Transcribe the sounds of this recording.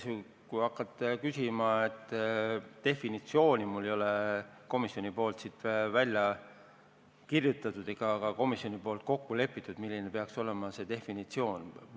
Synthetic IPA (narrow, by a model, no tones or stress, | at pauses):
sy | kuɑkːˑɑt̪ːˑekysimɑet̪ː | e̞finit̪sio̞ːnimulːejo̞leko̞misjo̞nipo̞ːlt̪sit̪ːvælʲjɑ | kirjut̪ːˑɑt̪ud̪̥ekɑkɑko̞misjo̞nipo̞ːlt̪̚ko̞kːule̞pːˑit̪ːˑud̪milːinepe̞ɑkso̞le̞mɑse̞t̪e̞finit̪sio̞ːn